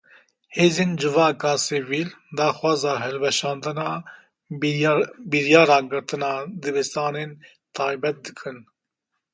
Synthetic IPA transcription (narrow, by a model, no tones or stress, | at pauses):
heːzeːnd͡ʒɨvɑːkɑːsivild̪ɑːxwɑːzɑːɦɛlbɛʃɑːnd̪ɨnɑː | biɾjɑːɾɑːɡɨɾt̪ɨnɑːd̪ɨbɛst̪ɑːneːn | t̪ʰɑːjbɛt̪̚d̪ɨkʰɨn